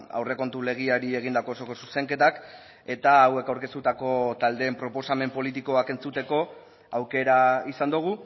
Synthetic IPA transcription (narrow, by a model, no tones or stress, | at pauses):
a̰wre̞ko̞nt̪ule̞ɣ̞iaɾie̞ɣ̞ind̪ako̞ːso̞ko̞suse̞ŋke̞t̪ak | e̞t̪aːwe̞kawɾke̞st̪ut̪ako̞t̪ald̪e̞ːmpɾo̞po̞same̞mpo̞lit̪̬iko̞ake̞nt͡sut̪e̞ko̞ | awke̞ɾaisand̪uɣ̞u